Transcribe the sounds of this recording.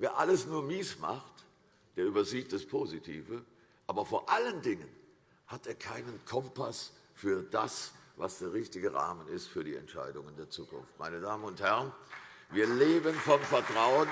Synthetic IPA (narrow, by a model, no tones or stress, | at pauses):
veːɐʔaləsnuːɐmiːsma̰χt | d̥eːɐʔyːbɐziːt̚d̥aspʰoːzitʰiːvə | ʔaːbɐfoːɐʔaləndɪŋən | hateːɐkʰaɪnənkʰɔmpasfyːɐd̥a̰svasd̥eːɐʁɪçtɪɡəʁa̰ːmənɪstfyːɐɾiːɛ̰ntʃa̰ɪdʊŋəndeːɐt͡suːkʊ̰nft̚ma̰ɪnədaːmənʊnthɛʁnviːɐleːbənfɔmfɛɐtʁ̥aʊən